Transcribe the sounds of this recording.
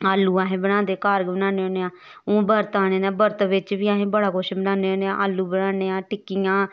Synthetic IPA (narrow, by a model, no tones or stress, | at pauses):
aːlːuːaːɦẽːbənãːnd̪eːkaːɾɡbənãːneoːneːãː | õːbəɾt̪aːneːnaːbəɾt̪ʋɪt͡ʃʋiːaːɦẽːbəɽaːkoʃbənaːneːoːneːãːʔaːlːuːbənaːneːãːʈɪkːijãː